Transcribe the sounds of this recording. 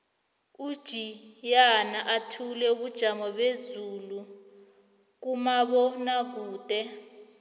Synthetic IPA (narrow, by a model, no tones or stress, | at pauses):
ud̥ʒ̥ʱijanaʔatʰulɛuɓud̥ʒ̥ʱamɔɓezulu | k̬umaɓɔnak̬uːd̥ʱɛ